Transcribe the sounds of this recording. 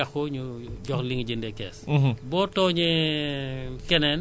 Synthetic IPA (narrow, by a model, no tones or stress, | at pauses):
ɐxɔɲuɟɔxliŋɟindɛkɛ̰ːsbɔːtɔːɲi | kɛnɛn